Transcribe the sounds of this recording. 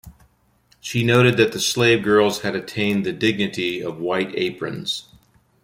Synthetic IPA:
ʃinoʊɾɨd̪̚ðɨt̪̚ðɨsleɪvɡɜ˞lˠz̥ɨɾɨtʰẽɪ̃nðɨdɪɡ̚nɨɾiʌvwaɪɾḛɪpʰɹɨ̰̃nz̥

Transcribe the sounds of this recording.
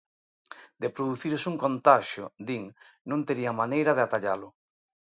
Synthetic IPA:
d̪epɾoðuθiɾosuŋkont̪aʃjo̰d̪iŋ | nõnt̪eɾiamanejɾað̞eat̪aʎalʊ

